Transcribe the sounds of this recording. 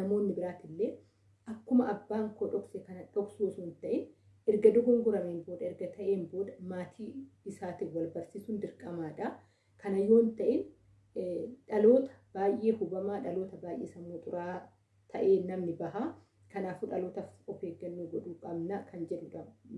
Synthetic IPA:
nɐmoːnːɪbɪɾaːt̪ɪlːe̞ː | ʔɐkːʊmɐʔɐbːaːŋkoːᶑɔksɛkɐnɐᶑɔksuːsuːnt̪ɐʔɪn | ɛɾɡɐd̪ʊɡɐŋɡʊɾɐmeːnbo̞ːd̪ɐɪɾɡɐt̪ɐʔeːmbo̞ːd̪ɐmaːt̪ʰiːɪsaːt̪ɪwɐlbɐɾsisʊnd̪ɪɾkʼɐmaːᶑɐ | kɐnɐjːo̞ːnt̪ɐʔɪn | ᶑɐlo̞ːt̪ɐ̥b̥aːjʔːe̞ːhʊbɐmaːᶑɐlo̞ːt̪ɐbaːjʔeːsɐmːoːt̪ʼʊɾaː | t̪ʰɐʔe̞ːnɐmnɪbɐɦa | kɐnaːfuᶑɐlo̞ːt̪ɐfɔfeːɡːɐnːuːɡɔᶑuːkʼɐbnɐkʰɐnd͡ʒɛᶑʊᶑɐb

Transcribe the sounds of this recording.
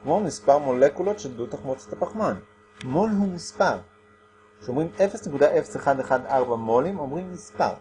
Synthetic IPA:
kmomispaʁmolekulo̞tʃeldut̪aχmot͡set̪apaχman | molɦumispaʁ | ʃeomʁime̞fesne̞kud̪aʔe̞feseχad̪eχad̪aʁbamo̞limo̞mʁimːispa̰ʁ

